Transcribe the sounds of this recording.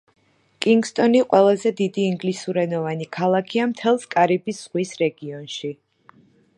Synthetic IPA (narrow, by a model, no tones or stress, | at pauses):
kʼiŋɡst̪ʼɔniqʼwɛlˠazɛd̪id̪iːŋɡlisuɾɛnɔvanikʰalˠakʰiamt̪ʰɛlˠskʼaɾibisːʁwisɾɛɡiɔnʃi